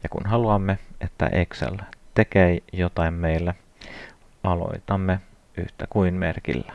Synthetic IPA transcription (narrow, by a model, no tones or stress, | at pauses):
jɑkṵnɦɑluɑmːeʔet̪ːæ̰ʔeksḛlt̪ekeijot̪ɑimmeilːæ | ɑlo̞̰it̪ɑmːe | y̰ht̪ækuinmḛrkḭlːæ̥